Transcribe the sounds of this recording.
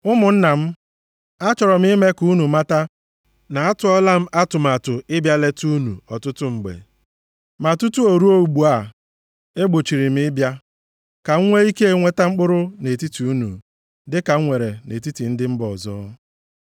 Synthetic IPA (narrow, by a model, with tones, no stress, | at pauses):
ʊ˦mʊ˨n̩˦na˨m̩˦ | a˦t͡ʃɔ˨ɾɔ˨m̩˦i˦me˦ku˨˦nu˨ma˦ta˦ | na˨a˦tʊ˨ɔ˦la˦m̩˦ʔa˦tʊ˨m˨a˨tʊ˨ɪ˦bja˦le˦tu˦nṵ˨ɔ˨tʊ˦tʊ˦ŋ͡m̩˨ɡ͡bḛ˨ | ma˨tu˦tu˦o˨ɾu˦o˦u˨ɡ͡bu˨a˨ | e˦ɡ͡bo˨t͡ʃi˨ɾi˨m̩˦ɪ˦bja˦ | ka˨ŋ̩˦ŋʷe˦i˦ke˦e˦˨ŋʷe˦ta˦ŋ͡m̩˦k͡pʊ˦ɾʊ˦ne˨ti˦ti˨u˦nṵ˨ | dɪ˦ka˨˦ŋʷe˨ɾe˨ne˨ti˦ti˨n̩˦dɪ˦m̩˦bɔ˨zɔ̰ː˦